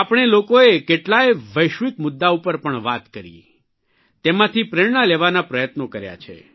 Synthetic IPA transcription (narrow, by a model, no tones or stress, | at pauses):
apɳ̃elokoekeʈlajʋəjʃʋikmʊd̪ːaupəɾpəɳʋat̪kəɾḭ | t̪emãt̪ʰipɾeɽɳaleʋanapɾəjət̪nokəɾja̰t͡ʃʰḛ